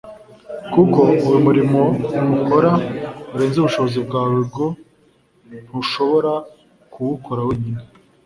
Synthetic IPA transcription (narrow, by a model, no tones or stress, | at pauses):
kuko̞uwumuɾimo̞nuhoɾauɾe̞ːnzuβuʃo̞βozibɡaːβiɾɡo̞ | n̥huʃo̞βo̞ɾa | kʰuwukʰoɾaweɲine